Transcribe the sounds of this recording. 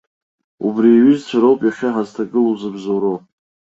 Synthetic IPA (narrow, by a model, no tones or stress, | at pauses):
ubriɥizt͡ɕʷʰaɾowpʼjaχʲaħaztʰaɡɨluzɨbzoɾow